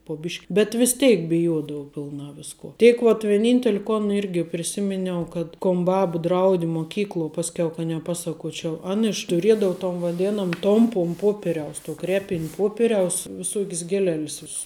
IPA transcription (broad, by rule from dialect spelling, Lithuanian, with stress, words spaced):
poː ˈbʲɪʃʲkʲ bʲɛt ʋʲɪs ˈtʲɛɪk bʲɪˈjoːdɐʋʊ pʲɪlˠˈnɑː ˈʋʲɪskoː ˈtʲeːk ʋɐt ʋʲiɛˈnʲiːnʲtʲɛlʲɪ ˈkoːn ˈɪrʲɡʲɪ pʲrʲɪˈsʲɪmʲɪnʲɛʊ kɐt ˈkoːn ˈbɐp ˈdrɐʊdʲɪ moːˈkʲiːklˠuɔ ˈpɑːsʲkʲɛʊ kɐ nʲɛˈpɑːsɐˌkuɔt͡ʃʲɛʊ ˈɐn ɪʃ tʊˈrʲiɛdɐʊ toːn ʋɐˈdʲeːnoːm ˈtoːmpʊm ˈpoːpʲɛrʲɛʊs tuɔ ˈkrʲæːpʲɪnʲ ˈpoːpʲɛrʲɛʊs ʋʲɪˈsuɔkʲs ɡʲiɛˈlʲɛlʲs ˈʋʲɪss